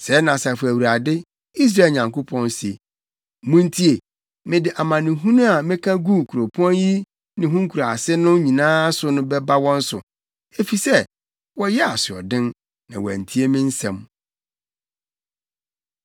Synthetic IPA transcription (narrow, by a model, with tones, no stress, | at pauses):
sɛ˨˦nã˨sa˨fʊ˨æ˨wu˨ɾa˨dɪ˦ | i˦s̬ɾa˦e˨ɲã˨ŋkʰo˦pʰɔ̃˦n˦si˨e˨ | mũ˦n˦tʰi˦e˨ | mɪ̃˦dɪ˨ʔa˨mã˨nɪ̃˨ɦũ˦nũ˦a˨mɪ̃˦kʰã˦ɡu˦˨kʰu˨ɾo˨pʰɔ̃˦nji˦ | nɪ̃˨ɦũ˦ŋ˦kʰu˨ɾa˨sɪ˦nʊ̃˦ɲĩ˨nãː˦sʊ˦nʊ̃˦bɛ˦ba˦wɔ̃˦n̩˦sʊ̰˨ | e˦fi˨sɛ˦ | wɔ˦jɛ˦a˨sɪ˨ɔ̰˨dɪ̃˦n | nã˨wæ̰˨n̩˨tʰi˦e˦mɪ̃˦n̩˦sɛ̰̃˨m